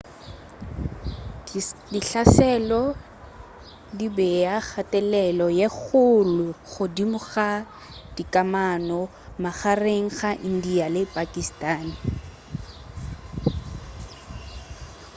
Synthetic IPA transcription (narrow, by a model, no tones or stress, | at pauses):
diɬasɛlɔ | dibɛjak͡xʰatʼɛlɛlɔjeχʊlʊχʊdimʊɣa | d̥ikʼamanɔ | maɣareŋ̩ɣaʔn̩dialɪpʼakʼistʼaːnɪ